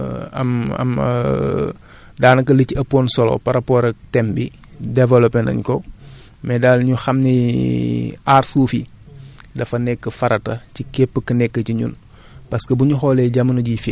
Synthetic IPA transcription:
ɐ̰mɐ̰m̰ | daːnɐkɐliciɐpːoːnsɔlo̰pɐɾɐpɔːɾɐtɛmbidɛvɛlɔpɛnɐ̰ɲkɔ | mɛdaːlɲuxɐmni | aːɾsuːfḭ | dɐfɐnɛkːəfɐɾɐtɐcikepːəkɐnɛkːəciɲṵn | pɐskəbuɲuxɔlɛɟamɐnɐɟifi

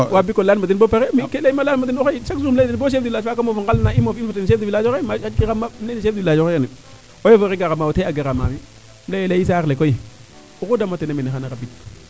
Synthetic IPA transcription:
wabikolanmadinbopaɾemikeleimalanmadinoxeiʃakzumledinboʃ̬efdilad͡ʒfakamovuŋɡalnaimofifatenʃedivilad͡ʒemaakiɣamaeniʃedilaoeani | ojovoɾeɡaɣamawoteaɡaɾama̰mi | mlejelais̬aɾlekoji | ukudamatenamenixanaɾabit

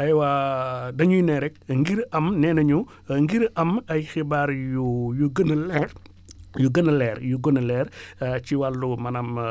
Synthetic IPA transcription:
ɐjwadɐɲujinɛɾɛk̚ŋɡiɾɐmnɛːnɐɲu | ŋɡiɾɐmɐjxibaːɾjujuɡənəlɛr | juɡənːəlɛːɾjuɡonəlɛːɾciwalːumɐnɐm

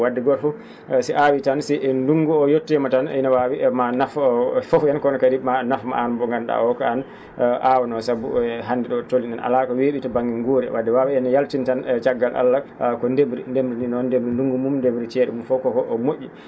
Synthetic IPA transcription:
wadːɛɡɔɾfɔ | siʔawitansiʔɛnduŋɡuɔjotːɛmataninawawimanaffɔfjankɔnɔkaɾimanafma̰ʔanbɔŋɡanɗa̰ɔkaan | ʔawnɔsabṵɦandiɗɔtolːinɛna̰lakaweːɓitabaŋɡɛɡoːɾɛ̰wadːɛwawiɛnjaltintant͡ʃaɡːalʔa̰lːakɔndebɾindemɾininɔndebɾinduŋɡumumndebɾit͡ʃɛɗɛ̰mumfɔkɔkɔʔɔmoʔʲːi

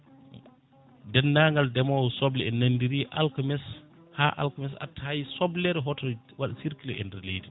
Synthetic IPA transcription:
dɛnːaŋɡaldɛmɔwsɔblɛɛnandiɾiʔalkamɛs | haʔa̰lkamɛsa̰tːajsɔblɛɾɛɦɔtɔ | waɗasiɾkilɛʔɛ̰ndɛɾlḛjdi

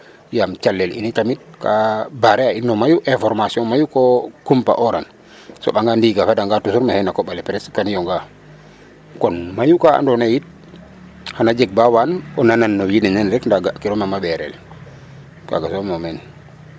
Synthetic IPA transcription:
jamt͡ʃalːɛlḭnitamit̚kabaɾɛainːɔmajuʔɛfɔɾmasiɔnmajukɔkumpa̰ʔɔɾan | sɔ̰ɓaŋɡandiɡafadaŋɡatusuɾmahɛnakɔɓalɛpɾɛskanijɔŋɡa | kɔnmajukaa̰ndɔnajit̚ | hanad͡ʒɛɡ̚bawanɔnananːɔjininɛnɾɛkndaɡaʔkiɾɔmamabɛɾɛ̰l | ka̰ɡasɔmɔmɛn

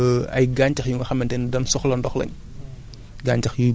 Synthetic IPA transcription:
ɐ̰jɡaːɲcɐxjuŋɡɐxɐmːɐntɛndɐnsɔxlɐndɔxlɐ̰ɲ | ɡaːɲt͡ʃɐxju

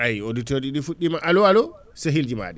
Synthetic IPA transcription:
ʔajoditoɾd͡ʒiɗifuɗːimaʔalɔalɔ | seɦild͡ʒima̰ːɗɛ

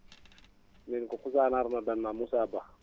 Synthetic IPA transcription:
ninkɔkusanaɾnadannamusaba

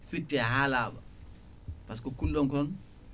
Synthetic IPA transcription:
fitːɛɦaːlaːbɐ̰ | pas̬kɔkulːɔŋkɔn

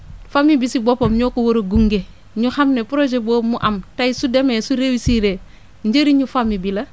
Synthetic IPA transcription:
famibisibopomɲokowoɾoɡuŋɡe | ɲuhamnepuɾod͡ʒebomuʔamtajsudemesuɾewisiɾe | ɲɟeɾiɲufamibilɐ

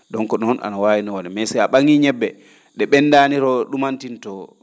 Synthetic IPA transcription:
ɗɔŋkɔɗɔna̰nawaːjinɔwalɛmɛsɛaɓaŋiɲɛbːɛ | ɗɛɓɛnːdaniɾɔɗumantintɔ

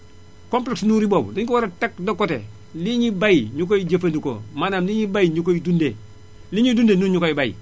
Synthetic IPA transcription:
kompleksnuɾiboːb̰diɲkowaɾatak̚dokotḛ | liɲibajiɲuk̬ojid͡ʒafendiko̰manaːmliɲibajiɲukojidunde | liɲidundenuɲukoibajḭ

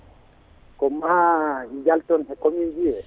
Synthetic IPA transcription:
kɔmaɡiɡaltɔnɦɛkɔmiɡiɛ

